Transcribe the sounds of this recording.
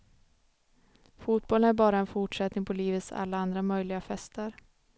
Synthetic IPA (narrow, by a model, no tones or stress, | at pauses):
fuːt̪̚bɔlːənæɾbɑːɾaɛnfʊʈʂɛt̪nɪŋpʰɔliːvət̪sa̰lːaand̪ɾamœjlɪɡafɛst̪əɾ